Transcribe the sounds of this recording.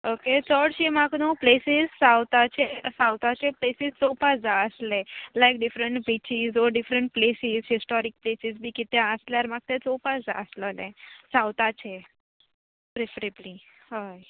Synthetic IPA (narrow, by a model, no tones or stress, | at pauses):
oket͡sɔɽt͡ʃemaknõplesizsawt̪at͡ʃʰesawt̪at͡ʃʰeplesizt͡sopasd͡zaəslelajk̚ɖɪfɾəɳʈbit͡ʃizɔɖɪfɾəɳʈ̚plesizɦisʈɔɾik̚plesizbʱiːkit̪jãəsleaɾmak̚t̪et͡sopasd͡za̰əsləlḛ̃sawt̪at͡ʃʰe | pɾefəɾebli | haj